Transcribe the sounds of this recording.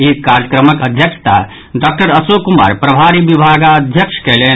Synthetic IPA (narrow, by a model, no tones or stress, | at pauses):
ikaɾjəkɾəməkəd̪ʱjəkʃʰt̪a̰ | ɖɔk̚ʈəɾəsokuma̰ɾpɾəbʱaɾibibʱaɡaəd̪ʱjəkʃkele